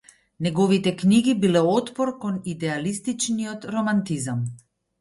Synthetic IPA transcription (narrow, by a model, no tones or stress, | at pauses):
nɛɡɔvit̪ɛkniɡibilɛɔt̪pɔɾkɔnid̪ɛalist̪it͡ʃniɔt̪ɾɔmant̪izam